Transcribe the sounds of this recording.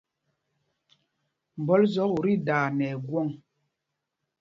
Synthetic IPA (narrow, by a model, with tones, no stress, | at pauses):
m̩˨bɔ˨˦lzɔ˨˦u˨ɾi˦daː˨nɛ˨ɡwɔ˦˨ŋ